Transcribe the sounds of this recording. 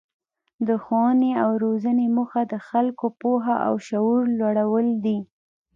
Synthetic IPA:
d̪əxowneawɾozanemuxad̪əxalkopoɦaʔa̰wʃauɾlwaɽawəld̪i

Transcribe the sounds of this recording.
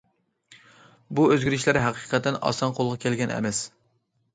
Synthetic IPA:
buøzɡʲiɾɪʃlæɾɦæqi̥qʰɛt̪ʰːɛnɑ̰sɑnqʰolˠʁɑkʲʰelɡʲɛnɛ̰mɛs

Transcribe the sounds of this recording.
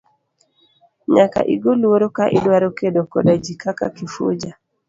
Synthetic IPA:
ɲaka̰ʔiɡoluwoɾokaʔidwaɾokedokɔdad͡ʒikaka̰kifṵd͡ʒa

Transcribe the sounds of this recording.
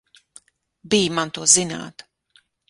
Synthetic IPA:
bijmant̪uɔzina̰ːt̪

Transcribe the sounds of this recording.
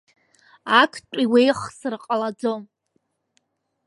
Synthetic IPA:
akʷʰt͡ʃʷʼiwejχsɨrqʼalad͡zom

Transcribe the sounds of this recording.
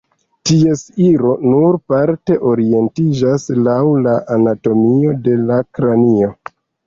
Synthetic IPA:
tie̞siɾo̞nuɾpaɾte̞ʔo̞ɾie̞ntid͡ʒaslawlaʔanato̞mio̞de̞lakɾanio̞

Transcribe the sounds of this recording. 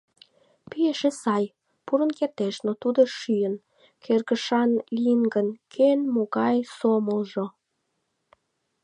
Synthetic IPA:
pieʃesɑj | puɾənkert̪eʃnot̪ud̪oʃyjən | kʰerɣəʃɑnliŋɡənkʰenmoɣɑjsoməlʒo

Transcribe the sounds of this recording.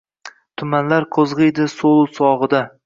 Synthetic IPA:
t̪ʰʊmanlaɾqʰozʁɨjd̪ɪsolˠsɒʁɨd̪a

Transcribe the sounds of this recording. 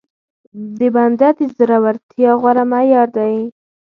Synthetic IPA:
d̪əband̪ad̪əzɾawaɾt̪ʰjɑɣwaɾamajɑɾd̪aj

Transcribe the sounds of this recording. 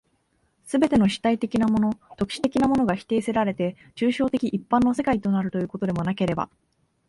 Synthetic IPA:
sɨbe̞t̪e̞no̞ɕi̥t̪ait̪e̞kʲinamo̞no̞t̪o̞kɯ̟ɕi̥t̪e̞kʲinamo̞no̞ɡaçi̥t̪e̞ːse̞ɾaɾe̞t̪e̞ | t͡ɕɨːɕo̞ːt̪e̞kʲiʔipːãnːo̞se̞kait̪o̞naɾɯ̟t̪o̞jɯkot̪o̞d̪e̞mo̞nake̞ɾe̞ba̰

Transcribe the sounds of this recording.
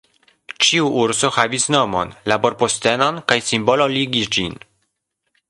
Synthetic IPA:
t͡ʃiuʔuɾso̞havisno̞mo̞̰nlabo̞ɾposte̞no̞nkajsimbo̞loliɡisd͡ʒin

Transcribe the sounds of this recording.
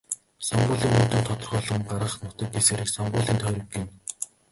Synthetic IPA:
sɔɴɢʊːɮiːŋɵnt̪ɵ̆nt̪ʰɔt̪ɞ̆rχɔːɮɞ̆ŋɢaɾə̆χnʊt̪ə̆k̚ɡeseːɾɘ̆ksɔɴɢʊːɮiːnt̪ʰœːɾʲɞ̆ɡiːn

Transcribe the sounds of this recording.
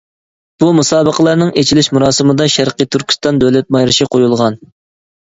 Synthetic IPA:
b̥umusɑːbəqʰəlˠɑɾnɨŋet͡ʃʰilɪʃmuɾɑːsɨmɨd̪ɑʃæɾqət̪ʰyɾkʲʰi̥st̪ɑnd̪ølɛt̪̚mɑjɾɨʃiqʰojulˠʁɑn

